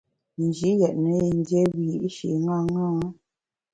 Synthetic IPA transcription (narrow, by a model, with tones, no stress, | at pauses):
n̩˨d͡ʒi˨˦jɛ˨ʔnə˨˦i˨n˦djɛ˦bi˨ji˦ʔʃḭ˨ŋa˦ŋa˦